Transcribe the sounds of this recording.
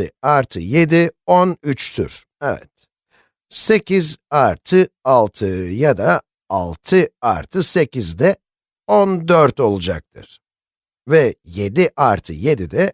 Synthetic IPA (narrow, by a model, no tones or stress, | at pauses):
ɯaɾt̪ʰɯje̞d̪ionyt͡ʃt̪ʰy̰ɾ̥ɛvɛ̰t̪̚ | se̞cʰizaɾt̪ʰɯalˠt̪ʰɯjad̪a | alˠt̪ʰɯaɾt̪ʰɯse̞cizd̪ɛ | ond̪øɾt̪o̞lˠud͡ʒa̰k̚t̪ʰɯ̰ɾ̥ | vɛje̞d̪iʔaɾt̪ʰɯ̰je̞d̪id̪ɛ